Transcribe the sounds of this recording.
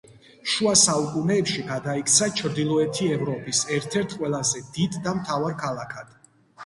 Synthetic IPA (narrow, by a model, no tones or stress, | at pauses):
ʃuasaukʼunɛːpʃiɡad̪aikʰt̪sʰat͡ʃʰɾd̪ilˠɔɛt̪ʰiɛvɾɔpʼisɛɾt̪ʰɛɾt̪ʰqʼwɛlˠazɛd̪id̪ːamt̪ʰavaɾkʰalˠakʰad̪̥